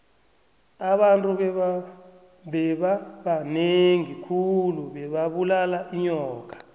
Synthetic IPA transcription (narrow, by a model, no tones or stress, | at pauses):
aɓantʼuɓɛ | ɓɛɓaɓaneŋikʰuluɓɛɓaɓulalaʔiɲɔːk̬ḁ